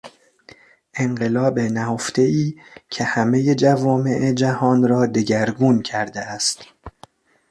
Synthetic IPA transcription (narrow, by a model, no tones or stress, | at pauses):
ʔe̞ŋɢe̞lɒːbenæhoft̪e̞iːcʰe̞hæme̞je̞d͡ʒævɒːme̞ʔed͡ʒæhɒːnrɒːd̪e̞ɟæɾɡuːncʰæɾd̪eæst̪